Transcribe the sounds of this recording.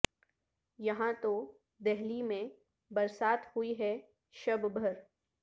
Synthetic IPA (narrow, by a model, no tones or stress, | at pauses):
jɐɦãt̪o | d̪ɛɦlimẽ | bɐɾsaːt̪hʊiɦɛ | ʃɐbbʱɐɾ